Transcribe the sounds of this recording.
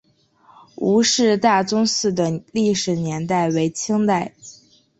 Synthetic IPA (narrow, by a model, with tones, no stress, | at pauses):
u˧˥ʂɻ̩˥˧t̪a˥˩t͡sʊ˥ŋsɹ̩˥˩d̪ə˩li˥˩ʂɻ̩˨˩njɛ˧˥nt̪a˥˩ɪwe˧˥ɪt͡ɕʰi˥ŋt̪a˥˩ɪ